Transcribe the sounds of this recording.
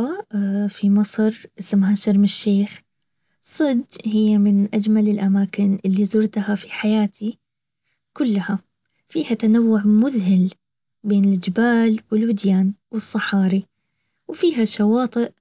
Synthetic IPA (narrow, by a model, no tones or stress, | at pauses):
afimɑsˤɾʔɪsmɦaːʃɑɾmɪʃːeːx | sˤːɨd̪hɪjːamɪnʔad͡ʒmalɪlʔamaːkɪnʔɪlːizʊɾt̪hafi̥ħajaːt̪ʰi | kʊlːaha | fiːhat̪anawːʊʕmʊðhɪl | beːnɪld͡ʒɪbaːlwɪlwɪd̪jaːnwɨsˤːɑħɑːɾi | wfiːɦaʃawɑːt̪ˤɨʔ